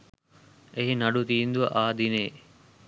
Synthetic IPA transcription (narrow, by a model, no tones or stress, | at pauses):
eɦinɐɖut̪iːnd̪uʋɐʔaːd̪ineː